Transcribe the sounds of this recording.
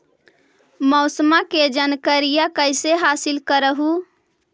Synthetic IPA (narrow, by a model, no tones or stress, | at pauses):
mɔʊsəmaked͡ʒənkəɾijakəjseɦasilkəɾəɦu